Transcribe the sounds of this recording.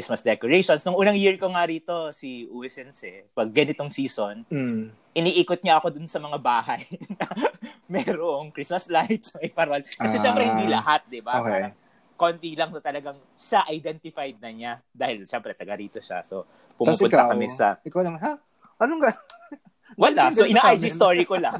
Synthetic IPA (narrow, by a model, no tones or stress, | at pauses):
ɹismɐsd̪ɛkoɹejʃonsnʊŋʔuːnɐŋjiɹkoŋaɾiːt̪o̞siʔuwɛsɛnsɛpɐɡ̚ːɐnɪt̪oŋsiːson̩ | ʔɪniʔiːkot̪̚ɲaʔɐko̞d̪ʊnsɐmɐŋabaːhɐjnɐmɛɾoʔoŋkɾismɐslajt̪̚smɐjpɐɾolkɐɛʃɛmpɾɛhɪnd̪ilɐɦat̪̚d̪ɪbaokɐŋ | kont̪ilɐŋɐt̪ɐlɐɡaŋ | ʃaʔɐjd̪ɛnt̪ɪfajd̪̚nɐɲad̪aːhɪlʃɛmpɾɛt̪ɐɡɐɾiːt̪o̞ʃa̰so̞̰ | pʊumupʊnakɐmɛsɐ̰ɪkawnɐmana | ʔɐnoŋɡa | wɐlasoʔɪnaːʔʔajd͡ʒist̪oːɹikolaŋ